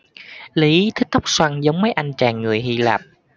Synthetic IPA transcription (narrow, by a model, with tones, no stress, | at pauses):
li˨˦t̪ʰï˦˥k̚t̪ɔ˦˥wk͡p̚swa˧ŋzə˨˦wŋ͡mməː˨˦jʔa˧jnt͡ɕaː˨˩ŋːɨ˨˩əjhi˧la̰ː˨˩p̚